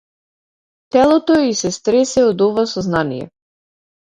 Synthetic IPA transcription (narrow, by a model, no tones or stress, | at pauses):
t̪ɛlˠɔt̪oisɛst̪ɾɛsɛɔd̪ɔvasɔznanijɛ̰